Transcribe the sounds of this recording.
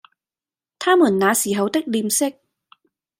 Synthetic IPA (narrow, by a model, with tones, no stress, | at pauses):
t̪ʰaː˥muː˨˩nːaː˨˧siː˨˩ɦɐ˨˥wt̪ɪ˥k̚liː˧msɪ˥k̚